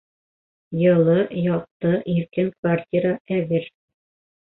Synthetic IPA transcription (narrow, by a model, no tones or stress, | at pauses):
jɤ̆lˠɤjɒq̚t̪ɤʔiɾkɘŋkvartʲiɾaʔæβɘɾ